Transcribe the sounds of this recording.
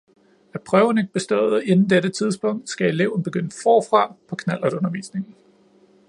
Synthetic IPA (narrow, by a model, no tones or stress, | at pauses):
æpʰʁœʊn̩e̝ɡ̥̚b̥e̝sd̥ɔ̰̽ːð̩ˠe̝nn̩d̥eɾət͡sʰið̞ˠsb̥ɔ̽ŋ̰d̥sɡ̥æe̝le̝ʊ̰n̩b̥e̝ɡ̥ønəfɒ̰ːfʁɑ̈pʰɒ̽kʰnæl̰ɐ̥ɔ̽nɐʋḭːsne̝ŋn̩